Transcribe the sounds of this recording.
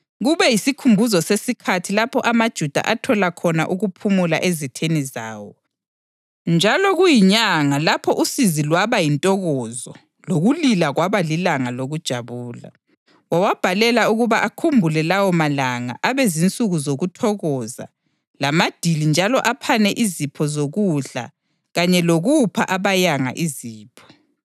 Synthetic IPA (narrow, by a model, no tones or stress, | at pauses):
ɣuβɛjisikʰumbʱuzɔsesikʰatʰilapʰɔʔamad̥ʒ̥ʱud̥ʱa̰ʔatʰɔlakʰɔna̰ʔuɣupʰumula̰ʔezitʰeniza̰ːwɔ | nd͡ʒʱalɔɣujiɲaŋalapʰɔʔusizilwaβajintʼɔɣɔzɔ | loɣulilaɣwaβalilaŋaloɣud̥ʒ̥ʱaβuːla̰ | wawab̥ʱalɛlauɣuβaʔakʰumbʱulɛlawɔmalaŋa̰ʔaβɛzint͡sʼuɣuzoɣutʰɔɣɔza̰ | lamad̥ʱilind͡ʒʱalɔʔapʰanɛʔizipʰɔzoɣuɮa̰ | ɣaɲɛloɣupʰaʔaβajaŋa̰ʔiziːpʰɔ̥